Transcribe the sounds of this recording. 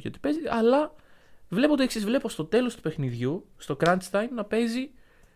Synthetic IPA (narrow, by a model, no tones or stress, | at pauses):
çot̪i̥pe̞ziɐlɐ | vle̞poot̪ieksizvle̞po̞st̪ot̪e̞lo̞st̪u̥pe̞xniðʝust̪o̞kɾɐnt̪st̪ɐjnnɐpe̞zi